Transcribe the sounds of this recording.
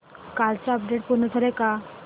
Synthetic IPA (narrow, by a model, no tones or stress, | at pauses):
kalt͡ɕaəp̚ɖeʈ̚punːət̪ʰaleka